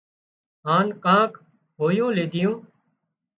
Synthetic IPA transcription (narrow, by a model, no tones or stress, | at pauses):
ɦaːnkãːk | ɦoːjõːleːd̪ɪjõː